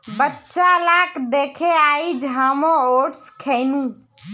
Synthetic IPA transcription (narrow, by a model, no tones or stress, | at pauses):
bətːt͡ʃalaːkd̪eːkʰeaːid͡ʒʱaːmõoʈskʰenũː